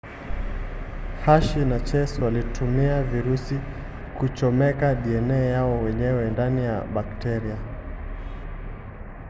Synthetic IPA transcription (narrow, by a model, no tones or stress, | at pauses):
haʃinat͡ʃɛsɔalitʰumiaviɾusi | kut͡ʃɔmɛkaɗiɛnɛjaɔwɛɲɛwɛndanija̰ɓaktɛɾia